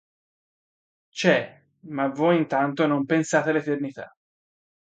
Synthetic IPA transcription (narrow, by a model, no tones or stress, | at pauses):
t͡ʃɛ | mavojint̪ant̪onompensaːt̪ealet̪ernit̪a̰